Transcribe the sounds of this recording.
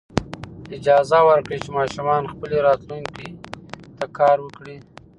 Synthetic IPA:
ɪd͡ʒɑzawəɾkɽit͡ʃemɑːʃumɑnxpəliɾɑt̪luŋkit̪akɑːɾwəkɽi

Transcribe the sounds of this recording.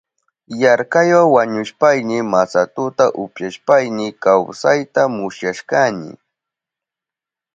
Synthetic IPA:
jaɾkajwawaɲʊʃpajnɪmasat̪ʊt̪aʔʊpjaʃpajnɪkawsajt̪amʊsjaʃkanɪ̰

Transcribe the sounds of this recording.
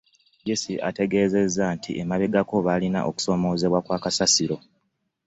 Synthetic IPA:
ɟesiʔa̰te̞ɡe̞ːze̞zːantʰiʔemaβe̞ɡako̞βalina̰ʔo̞̰ku̥so̞ːmo̞ːze̞βwakwaːkasasiɾo̞

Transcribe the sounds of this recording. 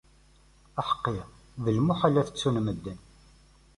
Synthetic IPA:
æħə̥qːɪ | ðəlmuħalːæθə̥t͡sːunməd̪ːən

